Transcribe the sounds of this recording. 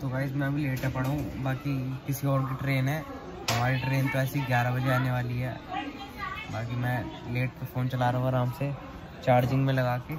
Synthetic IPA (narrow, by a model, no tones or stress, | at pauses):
t̪oɡaːɪs̬mɛ̃ɐbʱileːʈɦɛpɐɽaɦũbaːkikɪsiɔːɾk̬iʈɾeːnɦɛː | ɦɐmaːɾiʈɾeːnt̪oɛːsiɡjaːɾabʱɐd͡ʒeaːneʋaːliɦɛ̰ː | baːk̬imɛ̃leːʈ̚kefoːnt͡ʃɐlaːɾɐɦũɐɾaːmse | t͡ʃaːɾd͡ʒɪ̃ŋɡmẽlɐɡaːke